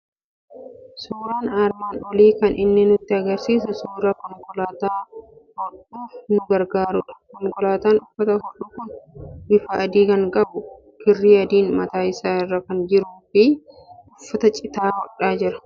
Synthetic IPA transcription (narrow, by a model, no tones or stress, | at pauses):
suːɾaːnaɾmaːnɔliːkɐnʔɪnːɪnʊt̪ːɪɐɡɐɾsiːsɐsuːɾɐkɔŋkʼɔlaːt̪aːhɔᶑuːfnʊɡɐɾɡaːɾʊᶑɐ̥kɔŋkɔlaːt̪aːnʊfːɐt̪ɐhɔᶑuːkʊnbɪfɐːd̪iːkɐŋkʼɐbʊ | kɪrːiːɐd̪iːnmɐt̪aːɪsaːɪrːɐkɐnd͡ʒɪɾuːfɪ | ʔʊfːɐt̪ɐt͡ʃʼɪt̪aːhɔᶑaːd͡ʒɪɾɐ̥